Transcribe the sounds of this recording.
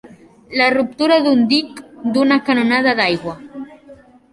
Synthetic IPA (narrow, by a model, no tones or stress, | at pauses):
larup̚t̪uɾaðund̪ikd̪unakanonaðaðajɣwa